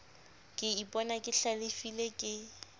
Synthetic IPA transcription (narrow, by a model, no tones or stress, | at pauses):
kʼɪipʼɔnakʼɪɬalɪfilekʼɪ